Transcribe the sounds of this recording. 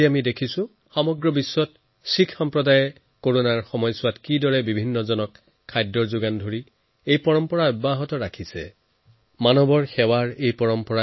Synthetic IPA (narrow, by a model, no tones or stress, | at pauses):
iamidekʰisʊ̃ | xɔmɔɡɹɔbisːɔt | sikʰxɔmpɹɔdajɛ | koɹonaɹxɔmɔjsʊwatkidɔɹɛbibʱinːɔzɔnɔkʰː | ajdɔɹzʊɡandʱoɹi | ejpɔɹɔmpɔɹaʊbaɦɔtɔɹakʰisɛ̰ | manɔbɔɹxɛwaɹejpɔɹɔmpɔɹa